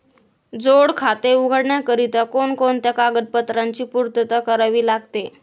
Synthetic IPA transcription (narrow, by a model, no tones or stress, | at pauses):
d͡zoɽkʰat̪euɡʱəɽɳjakəɾit̪əkoɳkont̪jakaɡəd̪̚pət̪ɾaɲt͡ɕiːpuɾt̪ət̪akəɾaʋiːlaɡt̪e